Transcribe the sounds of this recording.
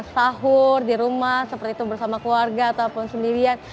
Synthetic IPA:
saɦʊrdiɾumahsəpərt̪iːt̪ubərsamakluarɡaːt̪aupʊnsəndiɾian

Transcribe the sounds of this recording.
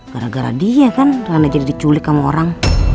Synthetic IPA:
ɡ̥aɾa̰ɡaɾa̰diakankaɾanad͡ʒadidit͡ʃulɪkːamaɔ̰ɾaŋ

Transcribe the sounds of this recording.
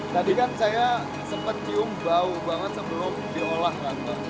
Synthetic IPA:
t̪adikansaja | səmpət̪̚ːiʊmbaubaŋət̪səbəlʊmdiolahkanta

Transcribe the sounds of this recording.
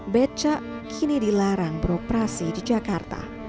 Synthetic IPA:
bɛt͡ʃaʔ | kʰinidilaɾaŋbəɾopɾasidid͡ʒakart̪a̰

